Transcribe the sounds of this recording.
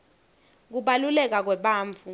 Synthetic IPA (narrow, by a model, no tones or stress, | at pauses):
k̬uɓalulɛk̬ak̬wɛɓaːɱvu